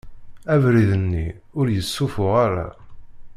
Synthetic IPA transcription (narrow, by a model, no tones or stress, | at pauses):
ævɾiðənːi | ʊɾjəsːufʊʁaɾa̰